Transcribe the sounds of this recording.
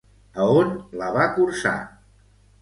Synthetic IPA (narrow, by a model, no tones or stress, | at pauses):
əonləβakuɾsa̰